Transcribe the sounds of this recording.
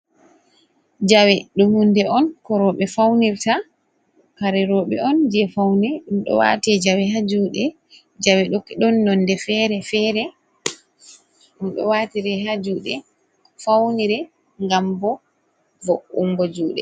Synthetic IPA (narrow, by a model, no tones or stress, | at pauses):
d͡ʒawɛɗumhundɛɔnkɔɾɔɓɛfawniɾta | kaɾɛɾɔːɓɛ̰ɔnd͡ʒiɛfawnɛɗumɗɔ̰wa̰tɛd͡ʒawɛɦad͡ʒuːɗɛ | d͡ʒawɛɗɔkːiɗɔnːɔndɛfɛɾɛfɛːɾɛ | ɗumɗɔ̰watiɾɛɦad͡ʒuːɗɛ | fawniɾɛ | ŋɡambɔ | vɔʔuŋɡɔd͡ʒuːɗɛ